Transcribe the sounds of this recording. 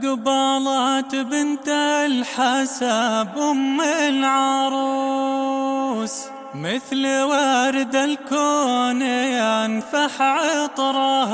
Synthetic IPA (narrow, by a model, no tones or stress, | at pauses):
ɡɑbɑːlɑt̪bɪnt̪alħasabʔʊmːɪlʕɑɾˤu | s | mɪθlwaːɾɪd̪alkoːnɪjanfaħʕɪt̪ˤɾˤɑ